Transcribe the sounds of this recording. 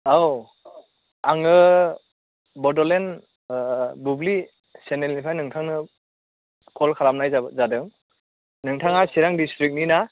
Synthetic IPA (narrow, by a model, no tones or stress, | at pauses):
aw | aŋɯ | bɔdɔlen | bubli | senelipʰajnɯŋtʰaŋnɯ | kʰɔlkʰaɾap̚najzadɯŋ | nɯŋtʰaŋasiɾaŋdistɾik̚nina